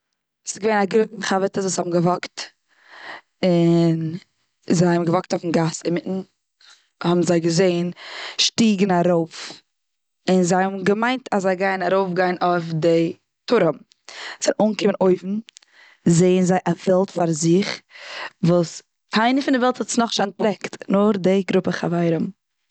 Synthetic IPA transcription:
sɪ̥sɡəveɪnaɡɾokn̩χavətəszvushɔbm̩ɡəvɔkt | ɪn | zaɪhɔbmɡəvɔk̚tofn̩ɡasɪmɪʔn̩ | hɔbm̩zaɪɡəzeɪnʃtiːɡn̩aɾoʊf | ɪnzaɪhɔbmɡəmaɪntʰaszaɪɡaɪnaɾoʊfɡaɪnofdɪ | tʰʊɾəm | z̥aɪʔoːŋkɪmənoɪfn̩ | zeɪənzaɪʔavɛlˠtfaɾzɪχ | vuːs | aɪnəfɪndɪvɛlˠthɔtsnɔχʃanpɾɛktnʊχdɪɡɾʊpəχa̰vaɪɾəm

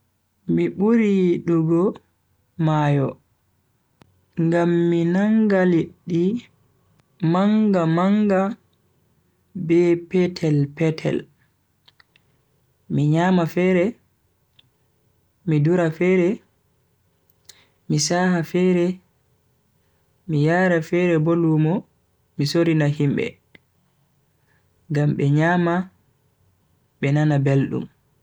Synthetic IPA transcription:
miɓuɾiɗuɡɔ | maːjɔ | ŋɡamːinaŋɡaliɗːi | maŋɡamaŋɡa | bɛpɛtʰɛlpɛtʰɛ̰l | miɲaːmafɛɾɛ | miduɾafɛːɾɛ | misaːhafɛɾɛ | mijaːɾɛfɛɾɛbolumɔ | misoɾinahimɓɛ̰ | ŋɡamɓɛɲaːma | ɓɛnanabelɗṵm

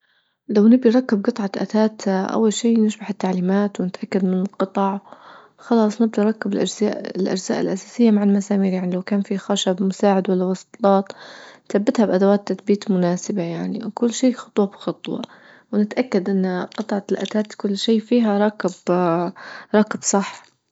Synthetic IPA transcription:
lawnɪbd̪iɾˤɑkːɪb̚ɡɨt̪ˤʕɑʔa̰t̪aːt̪ʔa̰wːalʃiːnɪʃbaħɪt̪ːaʕliːmaːt̪wnɪt̪ʔakːad̪mɪnɪlqɨt̪ˤɑʕ | xɑlɑːsˤnɪb̚d̪iɾˤɑkːɪbɪlʔad͡ʒza̰ːʔɪlʔa̰d͡ʒza̰ːʔɪlʔasaːsɪjːamaʕalmasaːmiːɾjaʕnilawkaːnfixaʃabmʊsaːʕɪd̪walːawɑsˤt̪lɑːt̪nθabːɪt̪habʔad̪awaːt̪ːaθbiːt̪mʊnaːsɪbajaʕniwkʊlːʃiːxɑ̥t̪ˤwɑbɪ̥xɑt̪ˤwɑ̰ | wnɪt̪ʔakːad̪ʔɪnːqɨt̪ˤʕɑlʔa̰t̪aːt̪kʊlːʃiːfiːɦaɾˤɑːkɪb | ɾˤɑːkɪbsˤɑħː

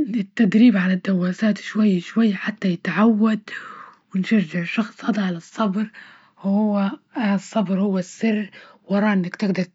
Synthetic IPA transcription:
ɪt̪ːad̪ɾiːbʕalad̪ːawːaːsaːt̪ʃwajːʃwajːaħat̪ːajɪt̪ʕawːad̪̚wɪnʃaʒɪʕʃɑxsˤhɑd̪ˤʕalɑsˤːɑbɾ | whʊwːasˤːɑbɾhʊwːasːɪrːwʔɑɾˤɑːʔɪnːakt̪ɪɡd̪ɑɾˤ

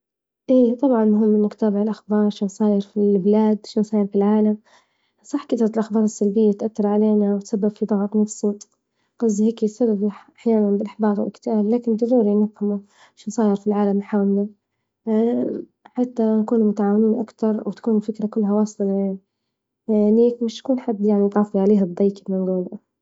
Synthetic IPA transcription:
ʔiːt̪ˤɑbʕɑnmʊɦɪmːɪmʊkt̪abɪʕɪlʔaxbɑːɾˤʃansˤɑːjɪɾfilbɪlaːd̪ʃiːnsˤɑːjɪɾfilʕaːlam | sˤɑħːkat̪ɾˤɑlʔaxbɑːɾˤɪsːalbɪjːat̪ʔat̪ːɑɾˤʕaleːnawɪt̪sabːabfid̪ˤɑɣt̪ˤnɑfsˤuːt̪ˤ | qɑzːheːkit̪sabːabħʔaħjaːnanbɪlʔaħbɑːɾˤwɪ̰lɪkt̪ɪʔaːllaːkɪnd̪aɾˤuːɾinɪfhamu | ʃnsˤɑːjɑɾˤfilʕaːlamlħaːmla | ħat̪ːankuːnmʊt̪aʕaːwɪnuːnʔakt̪ɑɾˤwɪt̪ḁkuːnɪfɪkɾakʊlːɦawɑːsˤlɑja | niːkmɪʃt̪kuːnħad̪ːjaʕnid̪ˤɑːfiʕaleːɦad̪ˤːiːkbmanɡuːl

